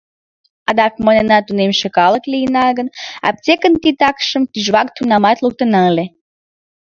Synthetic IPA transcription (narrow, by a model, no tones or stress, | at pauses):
ɑd̪ɑk̚monenɑt̪unemʃĕkɑlə̆klʲijənɑɡə̆nɑ̰p̚t͡sekənt̪it̪ɑkʃə̆mt̪yʒβɑk̚t̪unɑmɑt̪lˠuk̚t̪ə̆nɑlʲe